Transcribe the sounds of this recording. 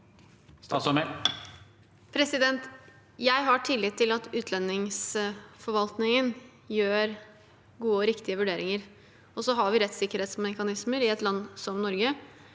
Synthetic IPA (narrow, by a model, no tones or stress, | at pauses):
st̪ɑːt̪sɑmɛ | pʰɾɛsɪd̪ɛnt̪ | jæɪɦɑʈʰɪlːɪt̪ʰːɪlɑt̪ʉːt̪ʰlɛnːɪŋsfɔɾʋɑlt̪nɪŋən | jøːɾ | ɡuːəɔɾɪkt̪ɪəʋʉɖeːɾɪŋəɾ | ɔsɔɦɑɾʋɪɾɛt̪ːsɪkːəɾheːt̪smɛkɑnɪsməɾɪɛt̪lɑnːsɔmnɔɾɡə